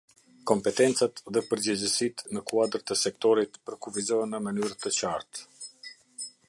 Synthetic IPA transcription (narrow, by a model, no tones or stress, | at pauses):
kɔmpɛt̪ɛnt͡sat̪ðɛpəɾd͡ʑəd͡ʑəsit̪nəkuad̪əɾt̪əsɛk̚t̪ɔɾit̪pəɾkufizɔɦɛnːəmənyɾət̪ət͡ɕaɾt̪